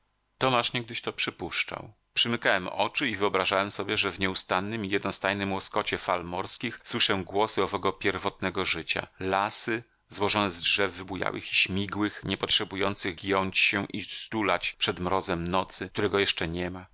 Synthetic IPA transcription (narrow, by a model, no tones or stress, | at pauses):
t̪ɔmaʂɲɛɡ̚d̪ɘɕt̪ɔpʂɘpuʂt͡ʂa̰w | pʂɘmɘkawɛmɔ̰t͡ʂɘivɘɔbɾaʐawɛmsɔbʲjɛʐɛvɲɛust̪anːɘmijɛd̪nɔst̪ajnɘmwɔskɔt͡ɕɛfalmɔɾskʲixswɘʂɛɡwɔsɘɔvɛɡɔpʲjɛɾvɔt̪nɛɡɔʐɘt͡ɕa̰lasɘ | zwɔʐɔnɛzdʐɛvːɘbuja̰wʔɘ̰xiɕmʲiɡwɘxɲɛpɔtʂɛbujɔnt̪sɘɣɡjɔɲt͡ɕɕɛʔist̪ulat͡ɕpʂɛd̪mɾɔzɛmnɔt̪sɘkt̪uɾɛɡɔjɛʂt͡ʂɛɲɛma